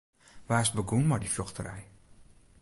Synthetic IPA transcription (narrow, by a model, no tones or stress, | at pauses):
ʋaːɪsbəɡunmadifjɔxtərɛ̰j